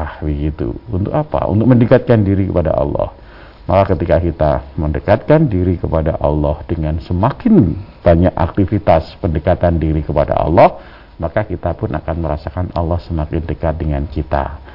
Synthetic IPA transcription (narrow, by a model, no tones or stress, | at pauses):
ahbəɡit̪ṵunt̪ʊkapa̰ʔṵnt̪ʊk̚məndəkat̪̚kandiɾikəpada̰ʔɑ̰lːɔ̰h | makakət̪ikakit̪a̰məndəkat̪̚kandiɾikəpadaʔɑlːɔhdəŋansəmakɪnb̥aɲaka̰k̚t̪ifit̪aspəndəkat̪andiɾikəpada̰ʔɑ̰lːɔh | makakit̪apʊnʔa̰kanməɾasakanɑ̰lːɔhsəmakɪndəkat̪̚dəŋankit̪a̰